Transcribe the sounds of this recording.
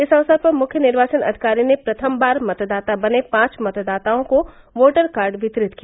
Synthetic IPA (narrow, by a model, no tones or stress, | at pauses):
ɪsə̃ːsəd̪̚pɐɾmʊkʰjənɪɾʋaːt͡ʃənɐ̰d̪ʱi̥kaːɾinepɾɐt̪ʰəmbaːɾmɐt̪d̪aːt̪abɐnepãːt͡ʃmɐt̪d̪aːt̪aõko | ʋoːʈəɾkaːɾɖʋɪt̪ɾɪt̪kija